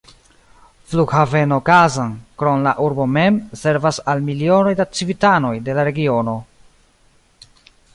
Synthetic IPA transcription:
fluɡhave̞no̞kazankɾo̞nlaʔuɾbo̞me̞mse̞ɾvasalmilio̞no̞jdat͡sivitano̞jde̞laɾe̞ɡio̞no̞

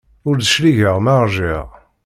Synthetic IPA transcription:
ʊɾðəʃliʝəʁmaʁʒiʁ

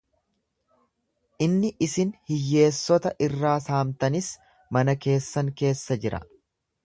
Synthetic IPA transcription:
ʔɪnːɪʔɪsɪnhɪjːe̞ːsːɔt̪ɐʔɪrːaːsaːmt̪ɐnɪs | mɐnɐke̞ːsːɐŋke̞ːsːɐd͡ʒɪɾɐ̰

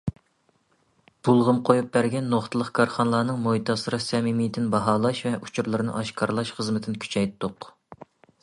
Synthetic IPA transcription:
b̥ulˠʁəmqʰojup̚bæɾɡʲɛnːoχt̪ʰɨlˠəqkʰɑɾχɑnlˠɑːnɨŋmojt̪ʰɑsɨɾɨsɛmimijd̪ɪnbɑɦɑːlˠɑʃvɛʔut͡ʃʰuɾlˠɨɾɨnɨ̰ʔɑʃkʰɑɾlˠɑʃχəzmɪt̪ʰɪnɪkʲʰy̥t͡ʃʰɛjt̪ːʊq

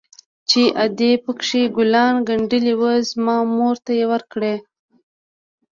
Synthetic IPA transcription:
t͡ʃeʔad̪epəkʂiɡʊlɑnɡaɳɖəliwəzmɑmoɾt̪ajewəɾkɽe

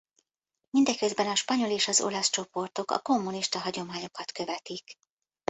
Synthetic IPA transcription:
mind̪ɛkːøzbɛnɒʃpɒɲo̞leːʃɒzo̞̰lɒst͡ʃo̞po̞rt̪o̞kɒ̰ko̞mːuniʃt̪ɒɦɒɟo̞maːɲo̞kɒt̪kø̞vɛt̪ik

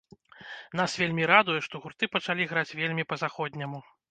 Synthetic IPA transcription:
n̪asvʲelʲmʲiɾad̪ujɛʂt̪ɔɣurt̪ɨpɐt͡ʂalʲiɣɾat͡sʲvʲelʲmʲipɐzaxɔd̪ʲnʲɐmu

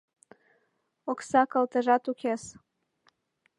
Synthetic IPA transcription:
oksɑkɤlt̪ɤʒɑt̪ukʰes

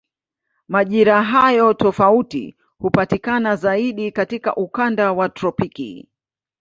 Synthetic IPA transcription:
maʄiɾaɦajɔtɔfautḭ | hupatikanazaiɗikatika̰ʔukandawatɾɔpikḭ

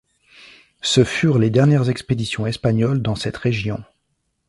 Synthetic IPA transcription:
səfyʁled̪ɛʁnjɛʁzɛksped̪isjɔ̃ɛspaɲɔld̪ɑ̃sɛt̪ʁeʒjɔ̃

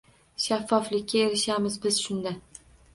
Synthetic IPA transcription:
ʃafːɒflɪkʲːae̞ɾɪʃamɪzbɪz̥ʃʊnd̪a

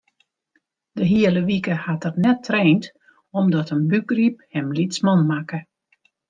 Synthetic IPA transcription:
d̥əɦiələʋikəhatərnɛtʰːreːnt | ɔmdɔtənbyɡrip̚hɛmlitsmɔnmakə

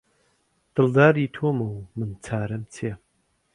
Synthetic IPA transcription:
t̪ɨld̪aːɾit̪ʰomɐwmɨnt͡sʰaːɾɐmt͡sʰe

